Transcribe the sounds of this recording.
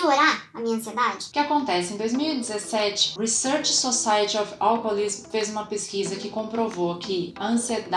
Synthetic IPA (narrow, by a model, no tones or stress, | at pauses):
oɾaɾɐmĩɲɐ̃sied̪ad͡ʒɪkɪakõnt̪ɛsɪẽd̪ojzmiwid͡ʒɪzesɛt͡ʃɪ̥hisɛɾt͡ʃsosajɐt͡ʃɪɔfawkolismfezũmɐpeskizɐkɪkõpɾovokʰɪɐɐ̃sied̪